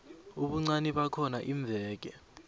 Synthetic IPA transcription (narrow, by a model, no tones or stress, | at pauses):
uɓuŋ͡ǀaniɓakʰɔnaʔiɱb̪vʱɛːk̬ɛ